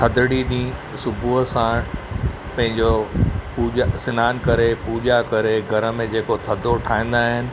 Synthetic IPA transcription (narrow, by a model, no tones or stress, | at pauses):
t̪ʰɐd̪ʱəɽiɗĩː | sʊbʱuɦəsã | pɐ̃ɦɪ̃ɲd͡ʑopuːʄasɪnaːnkɐɾepuːʄakɐɾeɡʱɐɾə̆mẽd͡ʑeːkot̪ʰɐd̪ʱoʈʰaːĩːn̆d̪aːɦɪnɪ̆